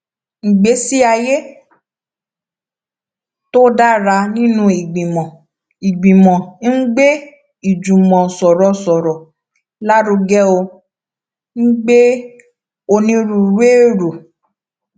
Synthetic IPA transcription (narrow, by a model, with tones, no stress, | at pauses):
ŋ̩˨ɡ͡be˨˦si˦a˧je˦ | to˦da˦ɾa˧nĩ˦nũ˦i˨ɡ͡bĩ˨mɔ̃˨ | i˨ɡ͡bĩ˨mɔ̃˨˦ɡ͡be˦ | i˨d͡ʒũ˨mɔ̃˨sɔ˨ɾɔ˨sɔ˨ɾɔ˨ | la˦ɾu˧ɡɛ˦o˧ | ŋ̩˦ɡ͡be˦ | o˧nĩ˧ɾu˨ɾe˦ɾo˨